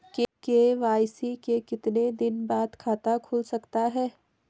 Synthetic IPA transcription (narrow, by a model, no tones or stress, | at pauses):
kekeʋaːjsikekɪt̪ned̪ɪnbaːd̪kʰaːt̪akʰʊlsɐkt̪aɦɛː